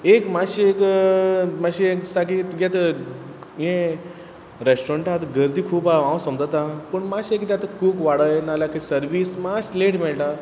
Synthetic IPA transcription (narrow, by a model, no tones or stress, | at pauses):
ekmaɕiek | maɕieksaɡit̪ɡɛt̪ə | jẽ | ɾesʈoɾẽɳʈat̪ɡəɾd̪iːkʰuːpaãwsəmd͡zət̪ãpəɳmaɕiekit̪jat̪əkuːkʋaɽəjnalakisəɾʋiːsmasleʈmɛɭʈa